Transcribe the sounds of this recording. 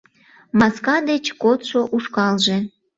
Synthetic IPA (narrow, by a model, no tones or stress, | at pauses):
mɑskɑd̪et͡ɕkot̪ʃoʔuʃkɑlʒe